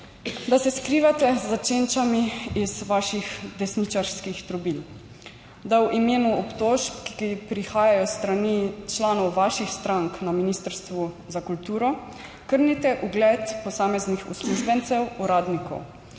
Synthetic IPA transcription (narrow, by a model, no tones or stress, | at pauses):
d̪asɛskɾiːʋat̪ɛzːat͡ʃeːnt͡ʃamiizʋaːʃixd̪ɛsnit͡ʃaɾskixt̪ɾɔbil | d̪awʔimeːnuɔpt̪oːʃpkipɾixaːjajɔst̪ɾanit͡ʃlaːnɔwʋaʃixst̪ɾaŋknaminist̪əɾst̪ʋu | zakult̪uːɾɔ | kəɾnit̪ɛʔuɡlɛːt̪pɔsaːmɛznixṵsluʒbɛnt̪sɛwuɾaːd̪nikɔ̰w